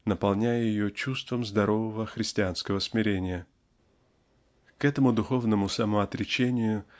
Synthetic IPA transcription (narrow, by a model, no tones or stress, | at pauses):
nəpɐlˠnʲæjəjɪjot͡ɕust̪vəmzd̪ɐɾʔo̞vəvəxɾʲɪsʲtʲɪanskəvəsmʲɪɾʲenʲɪjə | kɛt̪əmʊd̪ʊxo̞vnəmʊsɐmoɐt̪ɾʲɪt͡ɕenʲɪjʊ